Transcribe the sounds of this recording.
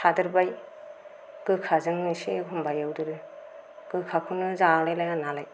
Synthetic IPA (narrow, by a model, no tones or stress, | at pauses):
sʰadɯɾbaj | ɡ̥ɯkʰazɯŋnɯsikʰumbajawdɯɾɯ | ɡ̥ɯkʰakʰunɯzalajlajnanalaj